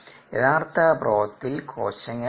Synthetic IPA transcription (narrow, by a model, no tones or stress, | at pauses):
eðaːrt̪ɐproːt̪ːilkʰo̰ːɕɐŋːɐ